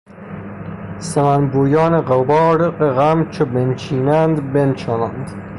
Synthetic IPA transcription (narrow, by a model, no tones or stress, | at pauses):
semænbuːjɒːneɢebɒːɾqeɣæmt͡ʃʰobent͡ʃʰiːnænd̪bent͡ʃʰɒːnænd̪